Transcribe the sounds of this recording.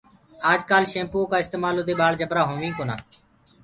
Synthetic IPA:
aːd͡ʒkaːlʃẽːmpõːkaːɪst̪eːmaːlod̪eːɓaːɽd͡ʒəbɾaːɦõːʋĩːkoːna̰ː

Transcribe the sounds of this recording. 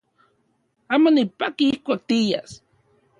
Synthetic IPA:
amonipakiihkʷak̚t̪ija̰s

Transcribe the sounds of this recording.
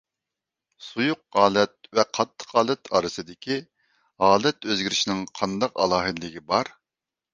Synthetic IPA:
sujʊq̚ʁɑːlɛt̪̚vɛqʰɑt̪ʰːə̥qɑːlˠɛt̪ʰɑɾɨsɨd̪ɪkʲʰi | ɦɑːlɛt̪øzɡʲiɾɪʃinɪŋqʰɑnd̪ɑqɑ̰lˠɑːɦɨd̪lɪɡʲibɑɾ

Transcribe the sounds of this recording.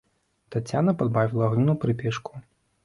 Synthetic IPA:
t̪at͡sʲːanɐpad̪bavʲilˠɐɐɣnʲinupɾɨpʲɛʂku̥

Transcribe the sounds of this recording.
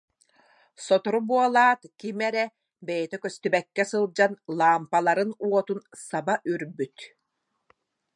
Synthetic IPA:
sɔt̪ɔɾubuɔlˠaːt̪kimɛɾɛ | bɛjɛt̪ɛkœst̪ybɛkːɛsɯlˠd͡ʑanlˠaːmpalˠaɾɯnuɔt̪unsabaʔyɾbyt̪

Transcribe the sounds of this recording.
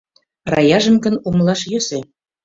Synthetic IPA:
rɑjɑʒə̆mkə̆numlˠɑʃjøse

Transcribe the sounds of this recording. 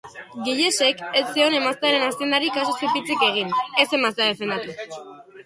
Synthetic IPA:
ɡiʎese̞ket͡seo̞ne̞mast̪eaɾe̞nast̪iend̪aɾikasosepit͡sike̞ɣ̞ine̞se̞mast̪eað̞e̞fe̞nd̪at̪u

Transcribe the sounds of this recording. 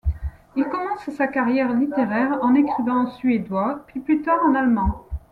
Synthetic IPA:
ilkɔmɑ̃ssakaʁjɛʁlit̪eʁɛʁɑ̃nekχivɛ̃sɥed̪wapɥiplyt̪aʁɑ̃nalmɑ̃

